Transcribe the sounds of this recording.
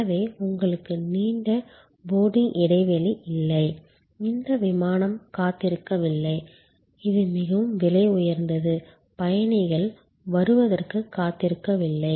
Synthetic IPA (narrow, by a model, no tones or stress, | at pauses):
ɐʋeːʊŋɡɐɭɯkːɯniːɳɖɐ | boːɽɪŋʔɪɽɐɪʋɛlɪʔɪlːɐɪ | ɪnd̪ɐʋɪmaːnɐmkaːt̪ːɪɾɯkːɐʋɪlːɐɪ | ɪðɯmɪɣɐʋɯmʋɪlɐɪʊjɐɾnd̪ɐðɯ | pɐjɐɳɪɣɐɭ | ʋɐɾɯʋɐðɐrkɯkːaːt̪ːɪɾɯkːɐʋɪlːɐɪ